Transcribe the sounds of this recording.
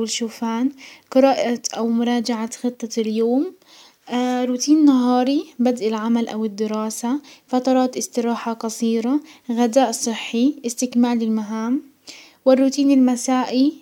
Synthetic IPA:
wɪlʃuːfaːnqɨɾɑːʔaʔawmʊɾˤɑːd͡ʒaʕaxɨt̪ˤːɑljoːm | ɾuːt̪iːnnːaɦɑːɾibad̪ʔɪlʕamalʔa̰wɪd̪ːɪɾɑːsafɑt̪ɑɾˤɑːt̪ʔɪst̪ɪɾˤɑːħaqɑsˤiːɾaɣad̪aːʔsˤɨħːiʔɪst̪ɪkmaːlɪlmaɦaːm | wɪrːuːt̪iːnɪlmasaːʔi

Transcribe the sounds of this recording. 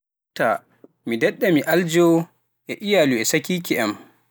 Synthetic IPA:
tːa | midɛɗːamiʔald͡ʒɔw | ʔɛʔijaluɛsakiːkiʔɛm

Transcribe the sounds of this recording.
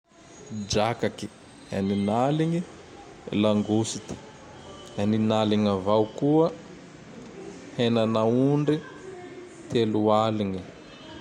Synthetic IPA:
d͡ʒakaki̥ | a̰ninaliŋi | laŋɡusit̪i̥ | aninaliŋavawkuə | henanauɳɖ͡ʐi | t̪elualiŋi

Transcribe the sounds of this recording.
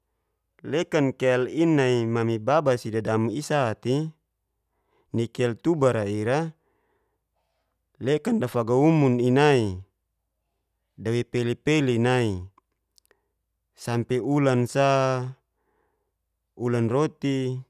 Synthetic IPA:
lekankelinːaimamibabasidadamuisat̪i | nikɛlt̪ubaɾaiɾa | lekandafaɡaumuninai | dawepelipelinai | sampeulansa | ulanrot̪i

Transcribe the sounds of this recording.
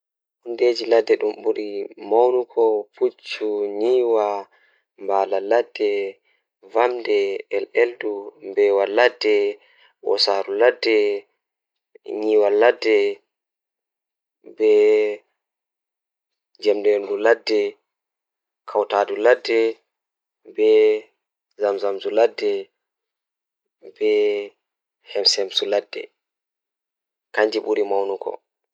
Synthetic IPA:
hundeːd͡ʒiladːɛɗumɓuɾimawnukʰɔpʰut͡ʃːuɲiːwa | mbaːlaladːɛ | vamdɛɛlɛldumbɛwaladːɛ | wɔ̰saːɾuladːɛ | ɲiːwaladːɛ | bɛ | d͡ʒɛmdɛnduladːɛ | kʰawtaːduladːɛ | bɛ | zamzamzuladːɛ | bɛ | hɛmsɛmsuladːɛ̰ | kaɲd͡ʒiɓuɾimawnukʰɔ̰

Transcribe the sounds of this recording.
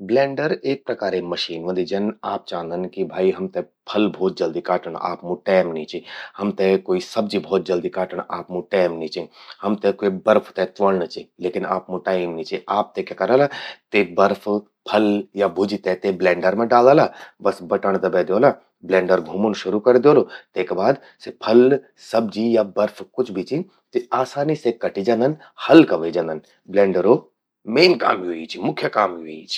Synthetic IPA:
blẽːɳɖəɾeːk̚pɾɐkaːɾemɐʃiːnʋə̃nd̪id͡ʒɐnaːp̚t͡ʃãːnd̪ənkibʱaːiɦɐmt̪e | pʰɐlbʱɔːt̪̚d͡ʒɐld̪ikaːʈəɽa̰ːpmũʈaːmnĩt͡ʃihɐmt̪ẽkoːisɐb̚d͡ʒibʱɔːt̪̚d͡ʒəld̪ikaːʈəɳ̃aːpmũʈaːmnĩt͡ʃĩhɐmt̪ẽkoibɐɾpʰt̪et̪ʋəɭnət͡ʃileːkɪna̰ːpmũʈaːɪmnĩt͡ʃiaːp̚t̪ekakɐɾəlat̪ebɐɾpʰ | pʰɐljabʱʊd͡ʒit̪ɛt̪eblẽːɳɖəɾmẽɖaːld̪alabɐsbɐʈəɽ̃d̪ɐbɛd̪joːla | blẽːɳɖəɾɡʱumunʃʊɾukɐɾd̪joːlot̪eːkebaːd̪ | sepʰɐl | sɐb̚d͡ʒijabɐɾfʰkʊt͡ʃʰbʱit͡ʃʰi | t̪iaːsaːnisekɐʈid͡ʒãnd̪ən | hɐlkɐʋed͡ʒãːnd̪ən | blẽːɳɖəɾo | meːnka̰ːmiɦuit͡ʃʰimʊkʰjəkaːmiɦuit͡ʃʰi̥

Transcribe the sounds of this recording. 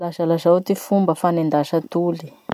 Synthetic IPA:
lazalazawt̪ifumbəfanind̪aʃət̪uli̥

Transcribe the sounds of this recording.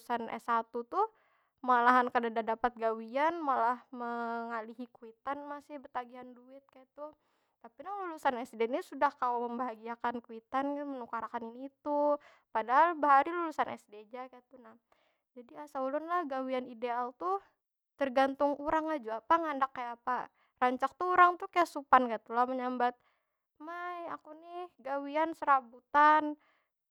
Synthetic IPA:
sanɛ̰sat̪ut̪u | malaɦankadadadapat̪̚ɡawianmalahməŋaliɦikuit̪anmasɪhbərt̪aɡiɦanduɪt̪̚kajat̪u | t̪apilahlulusanɛsdɛnisudahkalaməmbaɦaɡiakankuit̪ankmənukaɾakaniniːt̪u | padaɦalbəɦaɾilulusanɛ̰sded͡ʒakat̪unah | d͡ʒadiasaulʊnlahɡawianidealt̪u | t̪ərɡant̪ʊŋuɾaŋad͡ʒuapaŋandakːajaːpa | raɲt͡ʃak̚t̪uuɾaŋt̪ukajasupankat̪ulaməɲambat̪̚ | majakunɪhɡawiansəɾabut̪an

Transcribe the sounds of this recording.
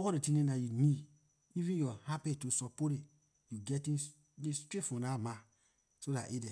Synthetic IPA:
ɔkɔdetĩnẽnajuni | ivĩnjɔhapetːusɔpoɾit | juɡɛtĩn | istɾefɔ̃nama | soda̰ʔidɛ

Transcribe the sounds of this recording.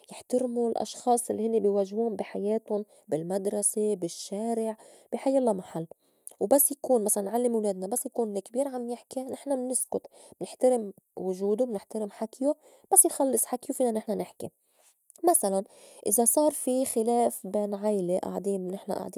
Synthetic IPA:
jɪħt̪aɾmulʔɑ̰ʃxɑːsˤʔɪlːihɪnːibɪjwaʒhuːmbiħajeːt̪ʊn | bɪlmad̪ɾˤɑsebɪʃːeːɾɪʕ | b̥iħajalːamaħalː | wbasːjakuːnmasalanʕalːɪmwleːd̪̚nabasːjakuːnɪkbiːɾʕamjɪħkinɪħnamnɪskʊt̪ | mnɪħt̪aɾɪm | wʊʒuːd̪ʊmnɪħt̪aɾɪmħakju | b̥asːjxɑlːɨsˤħakːiwfiːnanɪħnanɪħkḭ | masalan | ʔɪzasˤɑːɾˤfixɪleːfbeːnʕajleʔa̰ʕd̪iːmnɪħna̰ʔa̰ʕd̪iː

